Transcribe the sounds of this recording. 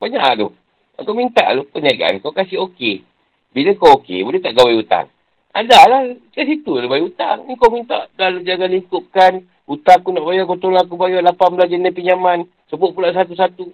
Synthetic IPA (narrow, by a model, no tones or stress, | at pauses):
baɲaʔʔdoh | akawmint̪a̰ʔlopəniaɡaʔa̰nkawkasiɦoke | bilakawokḛbulət̪aʔɡawajut̪a̰ŋ | a̰dalahkas̬it̪ulobajut̪a̰ŋnikawmint̪a̰ʔdalod͡ʒaɡaliŋkuʔ̚kan | ut̪akunaʔbajakawt̪olak̬ubajalapanbəlad͡ʒənapiɲaman | səbʊʔ̪̚pulaʔs̬at̪us̬at̪u